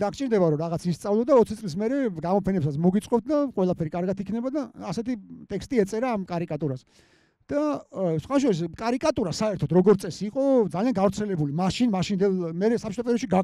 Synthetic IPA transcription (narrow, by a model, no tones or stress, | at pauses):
d̪akʰt͡ʃʼiɾd̪ɛbaɾɔɾaʁat̪ʰist̪sʼavlˠɔd̪aɔt̪sʰit̪sʼlis̬mɛɾɛɡamɔpʰɛnɛpsat̪sʰmɔɡit̪sʼqʼɔp̚t̪̚ʰd̪aqʼwɛlˠapʰɛɾikʼaɾɡat̪ʰikʰnɛbad̪aːsɛt̪ʰit̪ʼɛkst̪ʼiɛt̪sʼɛɾaːmkʼaɾikʼat̪ʼuɾas | d̪̥asχwaʃ̬ɔɾis̬kʼaɾikʼat̪ʼuɾasaɛɾt̪ʰɔt̪ʰɾɔɡɔɾt̪sʼɛsiːqʼɔd̪zalianɡavɾt̪sʰɛlɛbulimaʃinmaʃind̪ɛlmɛɾɛsapt͡ʃʰit̪ʰɔpʼɛɾɔʃiɡa